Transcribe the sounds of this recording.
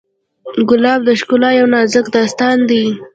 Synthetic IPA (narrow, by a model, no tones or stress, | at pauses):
ɡʊlɑb̚d̪əʃkʊlɑjawnɑzəkd̪ɑst̪ɑnd̪i